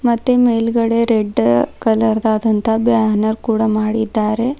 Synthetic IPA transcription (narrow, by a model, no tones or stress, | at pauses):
mɐt̪ːemejlɡɐɽeɾeɖkɐlɐɾd̪aːd̪ɐnt̪ɐbjaɦnɐɾkuːɽamaːɽid̪ːaːɾe